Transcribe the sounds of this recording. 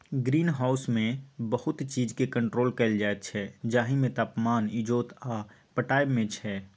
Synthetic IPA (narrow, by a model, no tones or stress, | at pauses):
ɡɾiːnɦaːʊsmẽbəhʊt̪t͡ʃiːd͡ʒkekə̃ɳʈɾoːlkɐld͡ʒaːet̪t͡ʃʰɛd͡ʒaːɦimẽt̪aːpmaːnɪd͡ʒoːt̪aː | pəʈaːjmẽt͡ʃʰɛː